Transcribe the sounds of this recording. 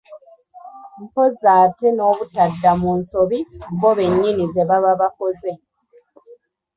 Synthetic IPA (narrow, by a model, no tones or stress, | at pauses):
m̩po̞zaːteno̞ːβutadːamunso̞βimboβe̞ɲːinize̞βaβaβako̞ze̞